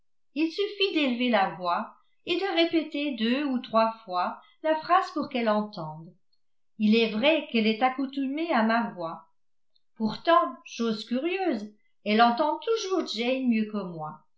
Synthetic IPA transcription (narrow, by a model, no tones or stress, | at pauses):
ilsyfid̪elvelavwa | ed̪əʁepet̪ed̪øut̪χwafwa | lafχaz̥puʁkɛlɑ̃t̪ɑ̃d̪ | ilɛvʁɛkɛlɛt̪akut̪ymeamavwa | puʁt̪ɑ̃ʃoːzkʲyʁjøːz | ɛlɑ̃t̪ɑ̃t̪uʒuʁd͡ʒɛjmjøkəmwa